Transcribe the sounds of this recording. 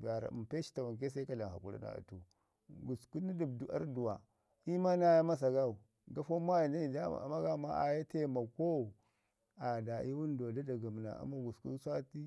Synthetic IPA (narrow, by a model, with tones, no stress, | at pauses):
ba˨ɾa̰˨mpe˦ʃi̥˦ta˨wa˨ŋk̬e˦sa˦ka˦la˨ha̰˨ku˦ɾa̰˦na̰˨a̰˨tu˨ | ɡu˨sku˦ni˦du˨bdu˨a̰˦ɾdu˨wa˨ | i˦ma˦na˦ja˦ma˦s̬a˨ɡa˦u˨ | ɡa˦fo˦m˦a˦ji˨nda˦i˨da̰˦˨ma˦ɡa˦ma˦a̰˨ja˦te˦˨ma˨ko˦˨ | a˨da˨i˦wu˦n˦do˨da˦da˨ɡa˨m˨na̰˨a̰˨ma˦ɡu˨sku˦sa˦ti˦